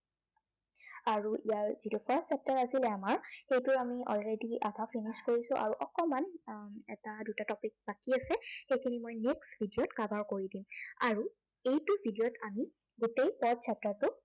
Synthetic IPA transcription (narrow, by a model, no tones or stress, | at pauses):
aɹuʔijaɹzitupʰaɹssɛp̚taɹasilɛamaɹxejtʊɹamiɔ̰lɹedia̰dʱapʰiniskoɹisʊ̃ʔa̰ɹuʔɔkɔmanɛ̰tadutatɔpik̚bakiasɛxejkʰinimojneksbʱidijɔtkabaɹkoɹidima̰ɹu | ejtubʱidijɔtʰami | ɡutejpɔdsʰap̚taɹtʊ